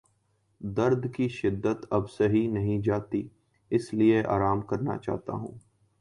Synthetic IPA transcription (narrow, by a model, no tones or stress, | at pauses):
d̪ɐɾd̪ʱkiʃɪd̪ːət̪ɐbseɦinɐɦĩd͡ʒaːt̪i | ɪslieʔa̰ːɾaːmkɐɾna̰t͡ʃa̰ːɦt̪a̰ɦṵ̃ː